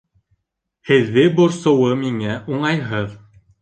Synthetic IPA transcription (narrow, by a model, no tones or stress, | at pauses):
hɘ̆ðːɘbŏɾsŏwɤmiŋæʔuɴɑjɦɤð